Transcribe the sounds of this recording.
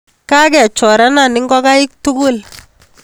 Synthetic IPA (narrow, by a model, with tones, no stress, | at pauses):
ka˦kɛ˨t͡ʃɔ˨ɾa˦na˨nɪ˦ŋɡɔ˦ka˦ɪ˦k̚tu˦ku˦l